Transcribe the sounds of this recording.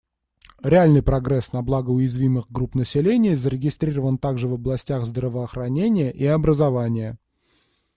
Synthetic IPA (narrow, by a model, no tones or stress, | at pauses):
ɾʲɪalʲnɨjpɾɐɡɾɛsnɐblˠaɡəʊjɪzvʲimɨɣɡrupnəsʲɪlʲenʲɪjəzəɾʲɪɡʲɪst̪ɾʲiɾəvənt̪aɡʐɨvəblˠɐsʲtʲaɣzd̪rəvəːxɾɐnʲenʲɪjəʔiɐbɾəzɐvanʲɪjə